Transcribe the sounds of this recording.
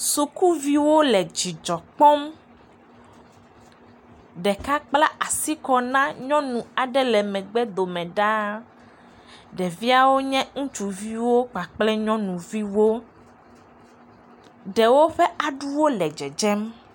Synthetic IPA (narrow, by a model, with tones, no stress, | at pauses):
su˨ku˦vi˦wo˦lɛ˨d͡ʑi˨d͡ʒɔ˨k͡pɔ˦m | ɖɛ˨ka˦k͡pla˦a˨si˦kɔ˨nã˦ɲɔ̃˦nũ˨a˨ɖɛ˦lɛ˨mɛ̃˨ɡ͡bɛ˦d̪o˨mɛ̃˨ɖa˦ | ɖɛ˨vi˦a˦wo˦ɲɛ̃˦ŋũ˦t͡ʃu˨vi˦wo˦k͡pa˨k͡plɛ˦ɲɔ̃˦nũ˨vi˦wo˦ | ɖɛ˨wo˦ɸɛ˦ʔa˨ɖu˦wo˦lɛ˨d͡ʒɛ˨d͡ʒɛ˦m